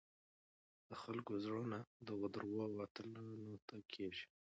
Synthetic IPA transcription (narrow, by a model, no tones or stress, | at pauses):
d̪̥əxalkozɽonad̪əɣəd̪əɾwɑwɑt̪əlanot̪akʰeʃi̥